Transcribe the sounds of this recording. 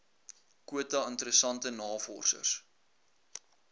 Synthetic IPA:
kuətɐəntəɾəsɐntənɑːfɔ̰rsə̰rs

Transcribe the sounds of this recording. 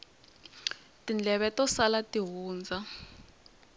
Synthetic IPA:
tind͡ɮʱɛβɛtɔsalatiɦuːnd͡zʱa

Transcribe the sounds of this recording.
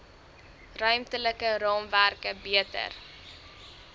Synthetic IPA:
rœɥmtələkəɾɑːmværkəbiətə̰r

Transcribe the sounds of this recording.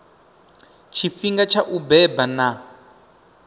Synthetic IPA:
t͡ʃʰifiŋɡat͡ʃʰaʔubɛbana

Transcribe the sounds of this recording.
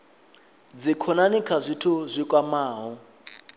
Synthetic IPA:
d͡zikʰɔnanikʰazʷitʰuzʷikʼwamaːɦɔ

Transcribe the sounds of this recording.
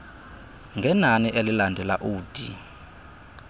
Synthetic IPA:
ŋɡʱɛnaniʔelilandʱɛlaʔuːd̥ʱḭ

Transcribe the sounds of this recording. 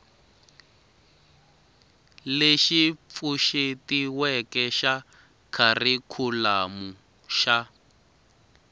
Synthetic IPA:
leʃip̪fuʃetiwɛkɛʃa | kʰarikʰulamu | ʃa

